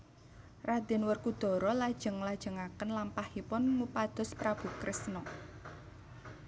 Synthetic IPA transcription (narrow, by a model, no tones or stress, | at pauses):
rad̪̥ɪ̤nwərkud̪̥ɔ̤ɾɔlad̥ʒ̥ə̤ŋlad̥ʒ̥ə̤ŋakənlampahipʊnmupad̪̥ɔ̤spɾab̥ṳkɾʔɪsnɔ